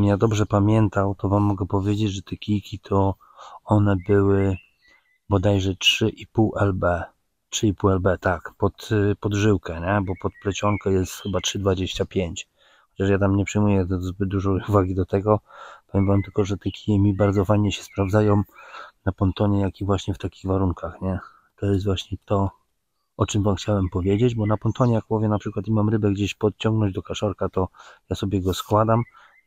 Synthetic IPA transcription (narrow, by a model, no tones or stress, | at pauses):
mjad̪ɔbʐɛpamʲjɛnt̪awt̪ɔvamːɔɡɛpɔvʲjed͡ʑed͡ʑʐɛt̪ɛkʲijkʲit̪ʰɔ | ɔnɛbɘwɘ | bɔd̪ajʐɛtʂɘʔipuwʔɛlbɛ | tʂɘipuwɛlbɛt̪akpɔt̪pɔd̪ʐɘwkʰɛɲɛbɔpɔt̪̚plɛt͡ɕɔŋkɛjɛst̪xɘbatʂɘd̪vad͡ʑeɕt͡ɕapʲjeɲt͡ɕ | xɔt͡ɕaʂ̬jat̪amɲɛpʂɛjmujɛt̪zbɘd̪̚d̪uʐɔuvaɡʲid̪ɔt̪ɛɡɔpavʲjɛmvamt̪ɘlkɔʐɛt̪ɛkʲʰiɛmʲibaɾd̪zɔfajɲɛɕɛ̥spɾavd̪zajɔ̃wmnapɔnt̪ɔɲɛjakʲivwaɕɲɛft̪akʲiɣvaɾuŋkʰaxɲɛ | t̪ɔjɛst̪vwaɕɲɛt̪ɔ | ɔt͡ʂɨmvamxt͡ɕawɛmpɔvʲjed͡ʑed͡ʑbɔnapɔnt̪ɔɲɛjak̚pɔvʲjɛnapʂɘkwat̪̬imamɾɘbɛɡd͡ʑeɕpɔt̪̚t͡ɕɔ̃ŋɡnɔ̃ɲd͡ʑd̪ɔkaʂɔɾkat̪ɔjasɔbʲjɛɡɔskwad̪am